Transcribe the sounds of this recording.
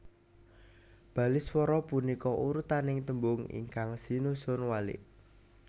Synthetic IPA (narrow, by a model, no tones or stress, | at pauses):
b̥a̤lɪswɔɾɔpunikɔʔuɾut̪anɪŋt̪əmbʊŋḭŋkaŋsinusʊnwalɪ̰ʔ